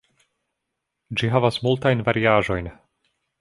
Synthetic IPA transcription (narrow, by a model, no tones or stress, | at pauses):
d͡ʒiɦavasmult̪ajnvaɾiaːʒo̞jn